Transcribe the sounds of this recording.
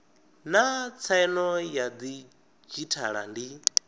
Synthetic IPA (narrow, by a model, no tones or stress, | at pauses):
nat͡sʰaɛnɔjad̪i | d͡ʒitʰa̰ɺa̰ndi